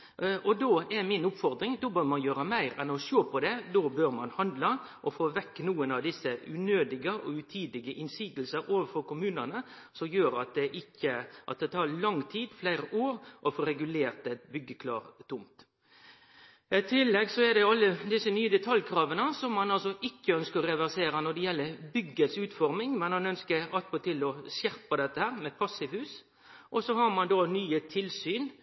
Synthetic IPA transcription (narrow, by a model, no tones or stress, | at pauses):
ʔɔd̪oːɛɾmɪnʊpfɔɾd̪ɾɪŋd̪oːbøːɾmɑnjøːɾəmæɪɾɛnɔʃoːpʰɔd̪ɛd̪oːbøːɾmɑnhɑnd̪lɑ | ʔɔfoːʋɛkːnuːənɑʋd̪ɪsːəʉnøːd̪ɪɡəʔɔʉt̪ʰiːd̪ɪɡəʔɪnsiːɡlsəɾoːʋəfɔɾkʊmʉːnənə | sɔmjøːɾɑt̪̚d̪ɛʔɪkːəʔɑ̰t̪̚d̪ɛt̪ʰɑːɾɭɑŋːt̪ʰiːd̪flæɪɾəʔoːɾʔɔfɔɾɛɡʉleːɾt̪ɛbʏɡːəkʰlɑ̰ːɾt̪ʰʊmt̪ | ɪt̪ʰɪlːɛɡsɔɛd̪ɛɑlːəd̪ɪsənyːəd̪ɛt̪ʰɑljkʰɾɑːʋənəsɔmːɑnɑlsɔʔɪkːəœnskəɾɛʋæɾseːɾənɔɖ̪ɛjɛlːəɾbʏɡːəsʉːt̪fɔɾmɪŋmɛnmɑnœnskəɾɑt̪̚pʰot̪ɪlɔsjæɾpɑd̪ɛt̪ːəhæːɾmɛpʰɑsːɪʋhʉːs | ʔɔsɔhɑɾmɑnd̪oːnyːət̪ʰɪlsyːn